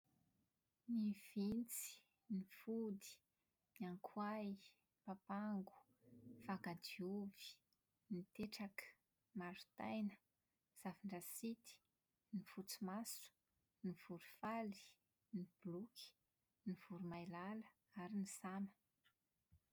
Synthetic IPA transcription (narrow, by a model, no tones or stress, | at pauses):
niv̥int͡si̥ | nifud̪i̥ | niaŋkʰwaj | papaŋɡu̥ | fakad̪iuvi̥ | nit̪eʈ͡ʂakə̥ | maɾu̥t̪ajnə̥ | z̥aviɳɖ͡ʐasit̪i̥ | nifut͡simasu̥ | niv̥uɾu̥fali̥ | nib̥lukʰi̥ | niv̥uɾumajlalə̥ | aɾinisamə̥